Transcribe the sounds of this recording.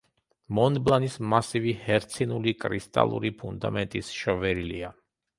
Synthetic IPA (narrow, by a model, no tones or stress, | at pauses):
mɔnblˠanismasivihɛɾt̪sʰinulikʼɾist̪ʼa̰lˠṵɾipʰund̪a̰mɛnt̪ʼisʃɔvɛɾilia